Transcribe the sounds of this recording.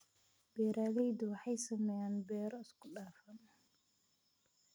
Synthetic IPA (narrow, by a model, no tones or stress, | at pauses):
b̥ɛːɾaːðɛjd̪ʊwɑħɑjsɐmɛjaːnbɛːɾɔɪskʰʊɗaːfɐn